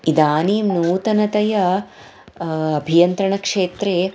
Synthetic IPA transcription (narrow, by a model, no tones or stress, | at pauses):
id̪aːniːmnuːt̪ɐnɐt̪ɐjɐ | ɐbʱijɐnt̪ɾɐɳɐkʂeːt̪ɾe